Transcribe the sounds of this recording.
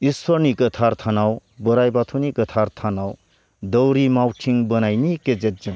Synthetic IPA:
iswʌɾnikət̪ʰaɾt̪ʰanawbʌɾajbat̪ʰunikət̪ʰaɾt̪ʰanaw | d̪ɔwɾimawʈʰiŋbʌnajniked͡ʒet̚d͡ʒɯŋ

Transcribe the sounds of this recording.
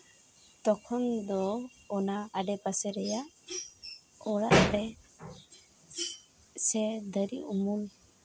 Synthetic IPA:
t̪ɔkʰɔnd̪ɔː | naaɖɛpasɛɾɛjaʔ | ɔɽaʔaɖɛ | sɛd̪əɾḭumul

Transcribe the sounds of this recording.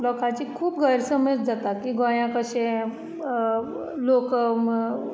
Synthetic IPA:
lɔkãt͡ɕikʰuːp̚ɡʱəɾsəməd͡ʑd͡zat̪akiɡõjãkəɕẽ | lok

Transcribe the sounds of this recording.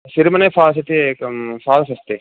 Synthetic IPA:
sɪɾmɐnefʰaːls̬et̪ekfaːlsɐst̪eː

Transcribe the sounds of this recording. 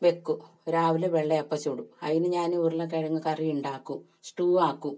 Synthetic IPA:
ʋekːu | ɾaːʋileʋeɭːɐjɐpːɐt͡ɕuːɽuɐ̰ðinɨɲaːnurilːɐk̬ɐɻɐŋːɐkɐrijuɳɖaːkːu | sʈuːaːkːu

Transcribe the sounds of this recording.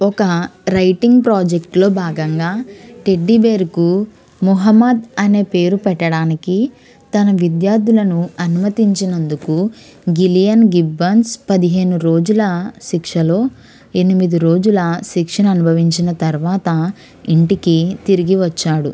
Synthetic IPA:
ɔkɐɾɐjʈiŋɡpɾaːd͡ʒek̚ʈlo̞ːbʱaːɡɐŋɡaːʈe̞ɖːibe̞ːɾuku | muɦɐmːɐd̪ɐne̞ːpe̞ːɾupɛʈːɐɽaːniki | t̪ɐnɐʋid̪jaːɾd̪ulɐnuɐnumɐt̪iɲt͡ʃinɐnd̪uku | ɡilijɐnɡibːɐnspɐd̪iɦe̞ːnuɾo̞ːd͡ʒulɐʃikʂɐlo̞ː | e̞nimid̪iɾo̞ːd͡ʒulɐʃikʂɐnɐnubʱɐʋiɲt͡ʃinɐt̪ɐɾʋaːt̪ɐ | iɳʈikit̪iɾiɡiʋɐt͡ʃːaːɽṵ

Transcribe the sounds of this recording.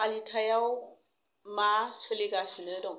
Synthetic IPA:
alitʰajaw | masʰɯliɡasinɯdɔŋ

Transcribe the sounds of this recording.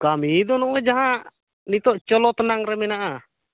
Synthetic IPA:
kamid̪ɔnɔɛd͡ʒaɦaʔ | nit̪ɔʔt͡ʃɔlɔt̪ənaŋɾɛminaʔa

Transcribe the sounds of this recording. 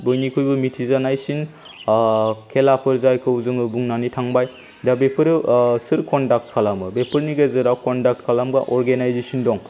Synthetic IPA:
bɔjnikʰujbɯmitʰizanajsin | kʰelapʰɯɾzajkʰɯwzɯŋɯbuŋnanitʰaŋbaj | dabepʰɯɾsɯɾkɔndak̚t̚kʰalamɯbepʰɯɾniɡazɯɾawkɔndak̚t̚kʰalamɡa̰ʔɔɾɡenajzesindɔŋ

